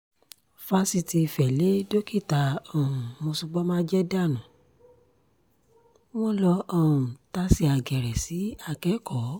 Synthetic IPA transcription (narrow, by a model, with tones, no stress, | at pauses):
fa˧si˧ti˧˨fɛ˨le˦do˦ki˦˨ta˨˧ɔ˦˨ũ˨mo˧su˧ɡ͡bɔ˦mãː˦d͡ʒɛ˦da˦˨nã˨˦ | w̃ɔ̃˦lɔ˧ɔ˦˨ũ˨ta˦si˦˨a˨ɡɛ˨ɾɛ˨si˨˦a˧˨kɛ˨˦kɔ˨˦